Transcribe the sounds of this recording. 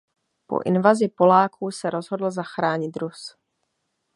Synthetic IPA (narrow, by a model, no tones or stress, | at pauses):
po̰ʔɪ̰nvazɪpo̞laːkuːsɛɾo̞zɦo̞dl̩zaxɾaːɲɪt̪ɾus